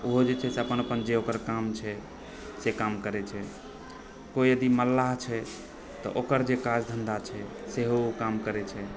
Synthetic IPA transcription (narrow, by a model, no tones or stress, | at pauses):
oɦod͡ʒet͡ʃʰɛseəpənəpənd͡ʒeokəɾkamt͡ʃʰɛ | sekamkəɾɛt͡ʃʰɛ | koijəd̪iməlːaɦt͡ʃʰɛ | t̪ɔ̰ʔokəɾd͡ʒekad͡ʒd̪ʱənd̪at͡ʃʰɛseɦookamkəɾɛt͡ʃʰɛ